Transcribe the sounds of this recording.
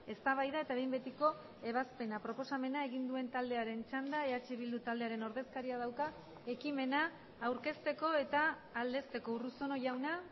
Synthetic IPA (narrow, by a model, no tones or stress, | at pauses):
e̞st̪aβajðae̞t̪aβejmbet̪iko̞ | e̞β̞aspe̞napɾo̞po̞same̞nae̞ɣind̪ue̞nt̪ald̪e̞aɾe̞nt͡ʃand̪aeat͡ʃeβild̪ut̪ald̪e̞aɾe̞no̞ɾðe̞skaɾiað̞awka | e̞kime̞naː | wɾke̞st̪e̞ko̞e̞t̪aː | ld̪e̞st̪e̞ko̞uruso̞no̞ʝawna